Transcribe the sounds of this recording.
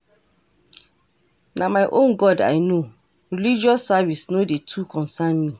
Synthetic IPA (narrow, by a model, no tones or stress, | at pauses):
nãmãɪʔõnɡɔda̰ɪnõ | ɾɛlid͡ʒiɔsːavisnʊ̃detʰuːkʰɔ̃nsãnmĩ